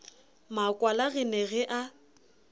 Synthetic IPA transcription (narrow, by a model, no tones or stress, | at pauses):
makʼwalaɣɪneɣɪʔa